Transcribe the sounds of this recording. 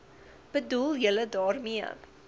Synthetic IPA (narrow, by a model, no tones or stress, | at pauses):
b̥əduljələdɑːrmiə̰